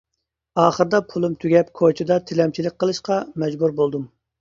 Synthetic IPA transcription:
ɑːχəɾɨd̪ɑpʰulˠumt̪ʰyɡʲɛpkʰot͡ʃʰid̪ɑt̪ʰɪlɛmt͡ʃʰilɪk̚ʲqʰːəlˠɨʃqɑmɛd͡ʒbuɾbolˠd̪um

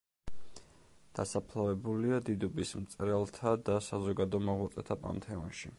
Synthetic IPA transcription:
d̪̥asapʰlˠavɛbuliad̪id̪ɔbismt̪sʼɾɛlˠt̪ʰad̪asazɔɡad̪ɔmɔʁwat̪sʼɛt̪ʰapʼa̰nmt̪ʰɛɔnʃḭ

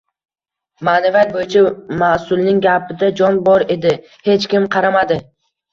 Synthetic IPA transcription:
maːnavijat̪̚bojɪt͡ʃʰamasʊlˠnɪŋɡʲapɪd̪ad͡ʒɒnbɒɾe̞d̪ɪ | he̞t͡ʃkʲɪmqʰɑɾamad̪ɪ

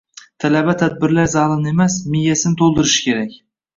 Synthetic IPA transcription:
t̪ʰalabat̪ʰad̪̚bɪɾlaɾzɑlˠɪne̞masmɪjːasɪnɪt̪ʰolˠd̪ɪɾɪʃkʲʰe̞ɾakʲ

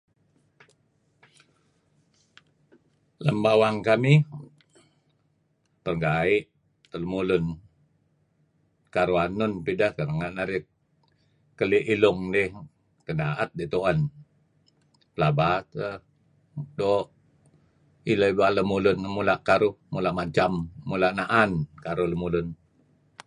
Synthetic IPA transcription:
ləmbawaŋkami | pərɡaiʔ | t̪ələmulʊn | kaɾuanʊnpidahkəɾəŋaʔnaɾi | kəliʔilʊŋdɪh | kənaʔat̪̚dit̪oʔan | pəlabat̪ə | doʔ | iləbaləmulʊnəmulaʔkaɾʊhmulaʔmat͡ʃammulaʔnaʔankaɾʊləmulʊn

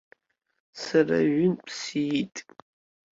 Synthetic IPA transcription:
sara̰ɥʊnpʰsijtʼ

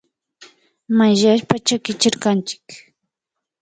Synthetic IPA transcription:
majʒaʃpat͡ʃakɪt͡ʃɪɾkant͡ʃɪ̥k

